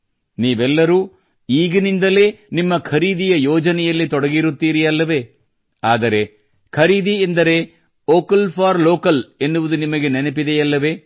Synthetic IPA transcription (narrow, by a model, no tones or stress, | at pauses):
niːʋɛlːɐɾuː | iːɡɐnind̪ɐle̞ːnimːɐkʰɐɾiːd̪ijɐjɔːd͡ʒɐnɛjɐlːit̪ɔɽɐɡiɾut̪ːiːɾijɐlːɐʋe̞ː | aːd̪ɐɾe̞ | kʰɐɾiːd̪iend̪ɐɾe̞ | oːkɐlpʰaːɾloːkɐle̞nːuʋud̪unimɐɡe̞nenepid̪ejɐlːɐʋe̞ː